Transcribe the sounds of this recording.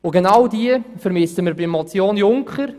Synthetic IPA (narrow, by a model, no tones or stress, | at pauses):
ʊɡenɑwdiəfəɾmɪsəmɪɾbimɔt͡sjoːnjʊŋkχəɾ